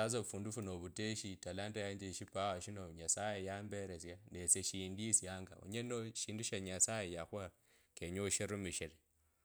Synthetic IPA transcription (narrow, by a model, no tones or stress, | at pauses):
azoβufuːndufunoβuteʃitalaːntajaɲd͡ʒeʃipawoʃinoɲasajejaːmbeɾezjanet͡seʃiːndisjaːŋɡa̰o̰ɲenoʃiːnduʃaɲasajejaxwa | keɲoʃiɾumiʃiɾe